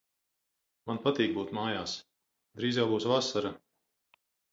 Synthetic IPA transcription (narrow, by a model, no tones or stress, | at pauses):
manpat̪iːk̚buːt̪maːjaːs | d̪ɾiːzʲawbuːsvasaɾa